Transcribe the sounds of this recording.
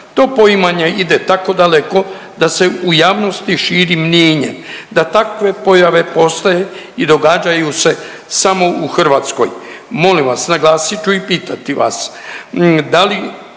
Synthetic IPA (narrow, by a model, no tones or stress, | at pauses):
t̪o̞ːpo̞imaɲeid̪et̪ako̞d̪ale̞ko̞ | d̪ase̞ujaːʋno̞st̪iʃiːɾimneːɲḛd̪at̪akʋe̞po̞jaʋe̞po̞st̪aje | id̪o̞ɡaːd͡ʒajuse̞ | samo̞uxr̩ʋat̪sko̞̰jmo̞limʋasnaɡlaːsit͡ʃuipiːt̪at̪iʋa̰s | d̪ali